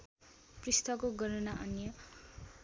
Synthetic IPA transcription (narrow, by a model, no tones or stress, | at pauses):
prist̪ʰʌkoɡʌɾʌnaʔʌnjʌ